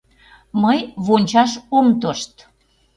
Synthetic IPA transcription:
məjβonʲt͡ɕɑʃomt̪oʃt̪

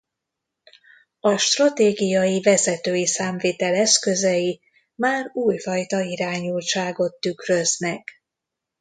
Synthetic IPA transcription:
ɒʃt̪rɒt̪eːɡijɒjivɛzɛt̪øːjisaːɱveːt̪ɛlɛskøzɛji | maːruːjfɒjt̪ɒiɾaːɲult͡ʃaːɡo̞t̪ːykrø̞znɛk

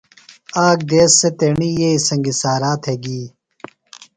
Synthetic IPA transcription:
aːk̚d̪eːsːet̪eɳiːjeːisɐŋɡisaːɾaːt̪ʰeɡiː

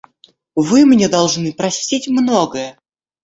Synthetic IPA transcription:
vɨmnʲed̪ɐlˠʐnɨpɾɐsʲtʲitʲmnoɡəjə

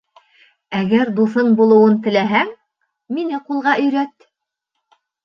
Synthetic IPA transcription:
æɡæɾd̪uθɤɴbulˠɤ̆wɤnt̪ɘ̆læɦæŋ | minɘqulˠʁɑʔɵ̆jɾæt̪

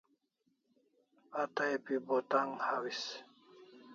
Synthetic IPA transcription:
at̪ajpibot̪aŋhawis

